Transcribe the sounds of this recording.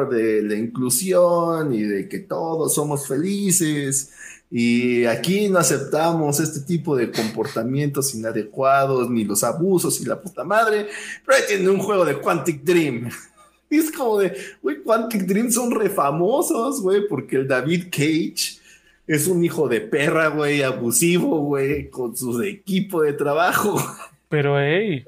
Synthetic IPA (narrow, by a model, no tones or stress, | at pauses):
ɾðe̞laiŋklusjoniðe̞ke̞t̪o̞ðo̞sːo̞mo̞sfe̞lises | iakino̞ase̞p̚t̪amo̞se̞st̪et̪ipo̞ðe̞ko̞mpo̞ɾt̪amjẽ̞nt̪o̞sinaðe̞kwaðo̞snilo̞saβuso̞sila̰put̪amaðɾepeɾojt̪jeneuŋxwe̞ɣo̞ðe̞kwant̪ik̚d̪ɾim | eskomoðewejkwant̪ik̚d̪ɾimso̞nre̞famo̞so̞zɣwe̞jpo̞ɾkeːld̪aβiðkejt͡ʃ | e̞s̬unixo̞ðe̞pe̞raɣwejaβusiβo̞ɣwejko̞nsuekipoðe̞t̪ɾaβaxo | peɾoej